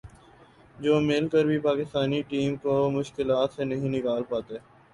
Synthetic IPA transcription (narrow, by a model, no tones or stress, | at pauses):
d͡ʒoːmɪlkəɾbʱipaːkɪst̪aːniʈiːmkomʊʃkɪlaːt̪senɐɦĩnɪkaːlpaːt̪eː